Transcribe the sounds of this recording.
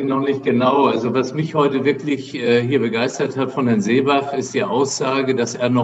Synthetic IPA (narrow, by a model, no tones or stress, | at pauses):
nɔχnɪçt̚ɡ̥ənaʊʔalzovasmɪçhɔʏtəvɪɐklɪçʔɛːɦiːɐbəɡaɪstɐthatfɔnhɛɐnzeːbafɪstd̥iːʔaʊsz̥aːɡədasʔeːɐnɔ